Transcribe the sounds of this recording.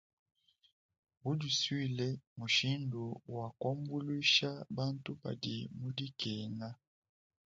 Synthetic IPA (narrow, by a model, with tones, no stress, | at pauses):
bu˦di˨swi˦˨lɛ˦mu˨ʃi˦ndu˨wa˨kɔ˦mbu˦li˦ʃa˦ba˦ntu˦ba̰˨di˨mu˦di˦kɛ˨ŋa˦